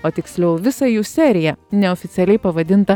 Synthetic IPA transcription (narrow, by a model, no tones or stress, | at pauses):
oːt̪ʲɪksʲlʲɛʊʋʲɪsɐjuːsʲæːɾʲɪjɛnʲɛɔːfʲɪt̪sʲɛlʲɛɪpɐʋɐd̪ʲɪnt̪ɐ